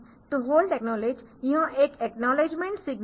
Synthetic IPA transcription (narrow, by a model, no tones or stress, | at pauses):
t̪uɦoːlʈeknɔled͡ʒjiɦãʔekeknɔled͡ʒmẽɳʈsiɡn